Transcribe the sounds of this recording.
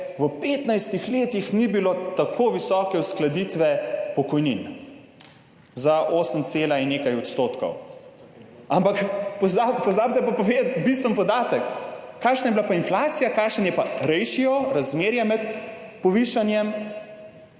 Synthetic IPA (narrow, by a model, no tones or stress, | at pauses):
ʋəpeːt̪najst̪ixleːt̪ixnibilot̪akoʋisɔːkɛwsklad̪it̪ʋɛpɔkɔjnin | zaʔoːsəmt̪seːlainːekajɔt̪st̪oːt̪kɔ̰w | ampakpɔzapɔzaːb̚t̪ɛpapɔʋet̪bist̪ʋənpɔd̪aːt̪əkːaːkʃnajɛbilapainflaːt̪sijakaːkʃənjɛpaɾɛjʃiɔɾazmeːɾjɛmɛt̪ | pɔʋiʃanjɛm